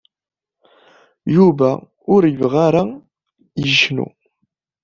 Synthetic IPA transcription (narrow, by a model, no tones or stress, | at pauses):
juvæ | ʊɾjəvʁaɾa | jəʃnṵ